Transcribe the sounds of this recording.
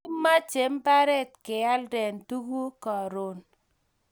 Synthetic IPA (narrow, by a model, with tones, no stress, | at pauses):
ma˦t͡ʃe˨˦mpa˦ɾɛ˦tkɪ˨ja˦ldɛ˨ntu˦ku˦kɔ˨ɾo˨n